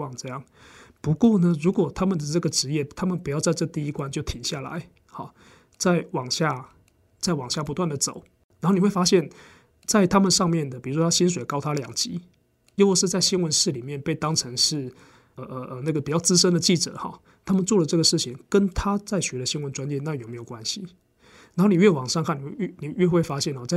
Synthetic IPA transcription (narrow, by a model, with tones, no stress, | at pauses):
ɑ˥˩ŋʈ͡ʂɤ˥˧jɑ˥˩ŋ | pu˧˥kwɔ˥˩nə˧˦ɻu˧˥kwɔ˨˩t̪ʰa˥mə˨nd̪ə˩ʈ͡ʂɤ˥˩ɡə˩ʈ͡ʂɻ̩˧˦jɛ˥˩t̪ʰa˥mə˨npu˨˩jɑ˥˧ʊt͡sa˥˧ɪʈ͡ʂɤ˥˩t̪i˥˧i˥kwa˥nt͡ɕjo˥˩ʊt̪ʰi˨˩ŋɕja˥˩la̰˧˦ɪ | xɑ̰˨˩ | t͡sa˥˩ɪwɑ˨˩ŋɕja˥˩ | t͡sa˥˩ɪwɑ˨˩ŋɕja˥˩pu˧˥t̪wa˥˩nd̪ə˩t͡so̰˨˩˦ʊ | na˨˧nxni˨˩wfa˥ɕjɛ˥˩n | t͡sa˥˩ɪt̪ʰa˥mə˨nʂɑ˥˧ŋmjɛ˥˩nd̪ə˩pi˨ɻu˦˥ʂwt̪ʰa˥ɕi˥nʂ̬we˨˩ɪkɑ˥ʊt̪ʰa˥ljɑ˨˩ŋt͡ɕḭ˧˥˦ | jo˥˦˧ʂɻ̩˥˧t͡sa˥˩ɪɕi˥nwə˧˦nʂɻ̩˥˩li˨˩mjɛ˥˧npe˥˩ɪt̪ɑ˥ŋʈ͡ʂʰɤ˧˦˥ŋʂɻ̩˥˩ | ə˧ʔə˧ʔə˧na˥˩ɡə˩pi˨˩t͡ɕjɑ˥˩ʊt͡sɹ̩˥ʂ̬ə˥nd̪ə˨t͡ɕi˥˩ʈ͡ʂɤ̰˨˩˦xɔ̰˨˩ | t̪ʰa˥mə˨nt͡swɔ˥˩lə˩ʈ͡ʂɤ˥˩ɡə˩ʂɻ̩˥˩t͡ɕʰi˨˩ŋkə˦nt̪ʰa˥t͡sa˥˩ɪɕɥɛ˧˥d̪ə˨ɕi˥nwə˧˦nt͡swa˥nt͡ɕjɛ˥˧na˥˩jo˨˩ʊme˧˥ɪjo˨˩kwa˦nɕi˨ | na˨˧nxo˥˩ni˨˩ɥɛ˥˩wɑ˨˩ŋʂɑ˥˧ŋkʰa˥˩ni˨˩˥ni˨˩ɥɛ˥˧xwe˥˩ɪfa˥ɕjɛ˥˩nxɔ˨˩t͡sa˥˨